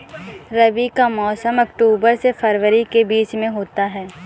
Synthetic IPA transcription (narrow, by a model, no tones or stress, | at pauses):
ɾɐʋikamɔːsəmɐkʈuːbəɾsefʰɐɾʋəɾikebiːt͡ʃmẽɦoːt̪aɦɛː